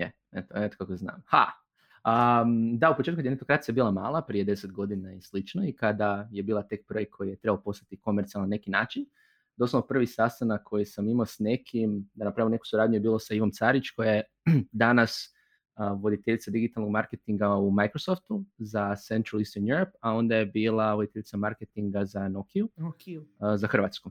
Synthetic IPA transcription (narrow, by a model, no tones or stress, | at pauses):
je | et̪oet̪okakozna̰ːmha̰ | əd̪aupot͡ʃet̪kd̪jenet̪okɾat̪sijaebiːlamaːlˠapɾije̞d̪e̞set̪ɡo̞d̪inaislit͡ʃnoikad̪aje̞biːlˠat̪ek̚pɾekʰo̞jije̞t̪ɾe̞baopo̞st̪at̪iko̞meɾt̪sialˠnane̞kinaːt͡ʃin | d̪o̞slˠoopr̩ʋisast̪anakʰːo̞jisamimosne̞kʰimd̪anapɾaimne̞ku̥suɾaːd̪ɲujebiːlˠo̞saiʋo̞mt̪saɾit͡ʃko̞jaje | d̪anas | ʋo̞d̪it̪eʎit̪sad̪iɡit̪alˠno̞ɡmaɾket̪iŋɡaumajkɾosoft̪uzase̞nt̪ɾalˠist̪onjuɾopao̞nd̪aje̞biːlˠaʋo̞d̪it̪eʎit̪samaɾket̪iŋɡazanokiukzaxr̩ʋat̪sku